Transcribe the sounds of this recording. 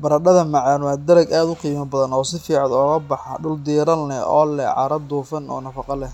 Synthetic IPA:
bɐɾɐɗɐðɐmɑʕɑːnwaːd̪ɐɾɐɡaːd̪ʊqiːmɐbɐðɐnɔːsɪfiːʕɑd̪ɔːɣɐbɑħɑ̰ɖʊld̪iːɾɐlːɛɔ̰ːlɛ̰ʕɑ̰ɾɐd̪uːfɐnɔ̰ːnɐfɑqɑlɛ

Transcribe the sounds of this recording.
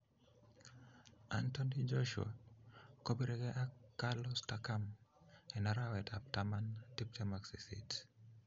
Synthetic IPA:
a̰ntondid͡ʒoʃṵa̰kobiɾɛɡɛʔakːalɔstakamɛnaɾawɛtʰap̚tamantip̚tɛmaksḭsḭt

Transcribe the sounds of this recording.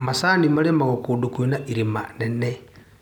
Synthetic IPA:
masanimalemaɣokuːdukinaʔiɾima̰nene

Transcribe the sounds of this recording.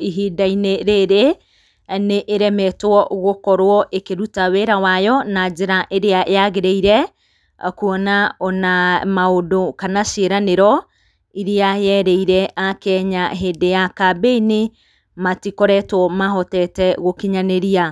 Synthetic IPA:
iɦiːdaineɾeɾe | neʔeɾɛmɛtwɔɣokɔɾwɔʔekeɾutaweɾawajɔnad͡ʒeɾaʔeɾeaʔeaɣeɾeiɾɛ | kuɔnaɔnamaodokanaʃeɾaneɾɔ | iɾiajɛɾeiɾɛʔakɛɲaɦedejakabeine | matikɔɾɛtwɔmaɦɔtɛtɛɣokiɲaneɾia

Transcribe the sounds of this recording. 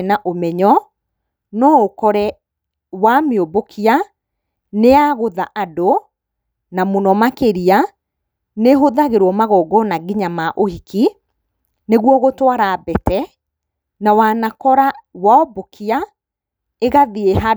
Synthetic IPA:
naʔomɛɲɔ | nɔokɔɾɛ | wameobokʰia | neaɣoðaʔado | namonɔmakeɾia | neɦoðaɣeɾwɔmaɣɔɡɔnaɡiɲamaʔohikʰi | neɣwɔɣotwaɾaːbɛtɛ | nawanakɔɾawaɔbokʰia | eɣaðieɦa

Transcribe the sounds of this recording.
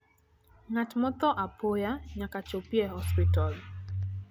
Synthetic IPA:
ŋatmɔt̪ɔʔapʰojaɲakat͡ʃopjɛhɔspitɔl

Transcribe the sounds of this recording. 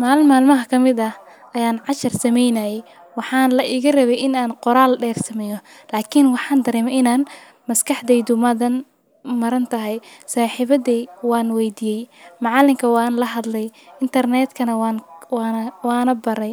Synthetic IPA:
maːlmaːlmɐɦɐkʰɐmɪd̪ɐ | ʔɐjaːnʕɑʃɐrsɐmɛjnɐjɛj | wɑħɑːnlɐʔɪɣɐrɐβɛjɪnaːnqɔɾaːlɖɛːrsɐmɛːjɔlaːkʰɪnwɑħɑːnd̪ɐɾɛːmɐɪnaːn | mɐskʰɐħd̪ɛjd̪ʊmɐðɐn | mɐɾɐnt̪ʰɐɦɛjsaːħiβɐdiːwɑːnwɛjd̪ijɛjmɑʕɑlɪmkʰɐwɑːnlɐɦɐd̪lɛjɪnt̪ʰɐrnɛːt̪kʰɐnɐwwnɐwaːnɐbɐɾɛj

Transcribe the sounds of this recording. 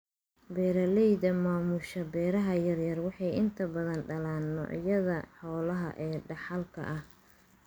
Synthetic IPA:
bɛːɾɐlɛjðɐmaːmʊʃɐbɛːɾɐɦɐjɐrjɐrwɑħɑjɪnt̪ʰɐbɐðɐnɖɐlaːnːɔ̰ʕjɐðɐħɔːlɐɦɐ̰ʔɛːɖɑħɑlkʰɐ̰ʔɐh

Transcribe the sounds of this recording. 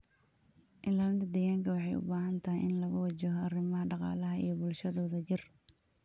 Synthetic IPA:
ʔɪnlant̪ɐd̪ɛːɣaːŋkʰɐwɑħɑjʊ̰baːɦɐnt̪ʰɐɦijʔɪnlɐɣʊwɐt͡ʃɛɦɔarɪmɐɦɐɖɑqɑ̰ːlɐɦɐḭjɞbʊlʃɐðɔːðɐt͡ʃɪr

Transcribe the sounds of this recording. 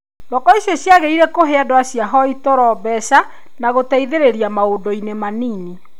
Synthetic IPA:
dɔkɔiɕjɔsjaɣeiɾɛkoɦeadwasjaɦɔitɔɾɔbɛsa | naɣotaiðeɾeɾiamaodoinemanini

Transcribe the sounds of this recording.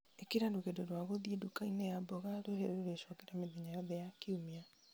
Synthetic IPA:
ekiɾadoɣedoɾwaɣoðiedukainɛjabɔɣaɾoɦeɾeɾoɾeʃwɔkeɾameðeɲajɔðɛjakeumea

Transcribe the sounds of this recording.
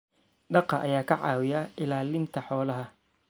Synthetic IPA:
ɖɑqɑʔɐjaːkʰɐʕɑ̰ːwɪjɐɪlaːlɪnt̪ʰɐħɔːlɐɦɐ

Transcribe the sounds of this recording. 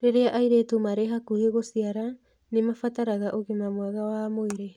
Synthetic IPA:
ɾeɾeaʔajɾetumaɾeɦakuheɣosiaɾa | nemafataɾaɣaʔoɣemamoaɣawamoiɾe

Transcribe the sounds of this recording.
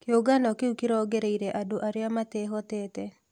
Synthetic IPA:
kɪoɡanɔkɪukiɾɔɡeɾeiɾeʔadoʔaɾɪjamateɦɔt̪ɛt̪ɛ

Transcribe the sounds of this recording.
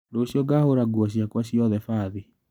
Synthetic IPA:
doɕjɔɡahoɾaɡwɔɕ̬jakwaɕjɔðɛfaːði

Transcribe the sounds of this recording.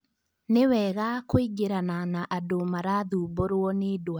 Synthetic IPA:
newɛɣakoiɡeɾananaʔadomaɾaðuːboɾwɔnedwa

